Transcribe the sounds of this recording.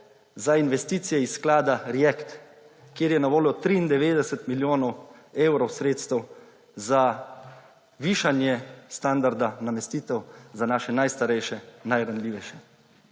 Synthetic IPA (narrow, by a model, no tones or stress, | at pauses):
zainʋɛst̪iːt̪sijɛisːklaːd̪aɾiɛkt̪ | kjeːɾjɛnaʋoːljɔt̪ɾiːnd̪ɛʋeːd̪ɛsɛt̪miljoːnɔweːwɾɔwsɾeːt̪st̪ɛw | za | ʋiːʃanjɛst̪and̪aɾd̪anamɛst̪iːt̪ɛwzanaːʃɛnajst̪aɾɛjʃɛnajɾanlʲiːʋɛjʃɛ